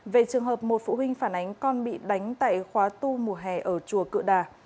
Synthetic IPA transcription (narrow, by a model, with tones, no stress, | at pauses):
ve˨˩t͡ɕɨ˨˩əŋɦəː˨˩p̚mo˨˩t̚fṵ˧˨ɦwï˧ŋ̟faː˧˩nʔa˨˦jŋ̟kɔ˧nɓḭ˧˨ɗa˨˦jŋ̟t̪a̰ː˧˨jxwaː˨˦t̪u˧mu˨˧˩əɦɛ˨˩ʔəː˧˩t͡ɕu˨˩əkɨ̰˧˨əɗaː˨˩